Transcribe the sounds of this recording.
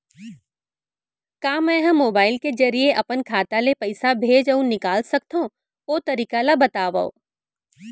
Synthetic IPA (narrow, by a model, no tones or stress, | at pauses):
kaːmɛ̃ːɦɐ̃mːoːbaːɪlked͡ʒɐɾijeʔɐpənkʰaːt̪alepɐɪsabʱeːd͡ʒɐũnɪkaːlsɐk̚t̪aɦõ | oːt̪ɐɾiːkalabɐt̪aːʋao̰ː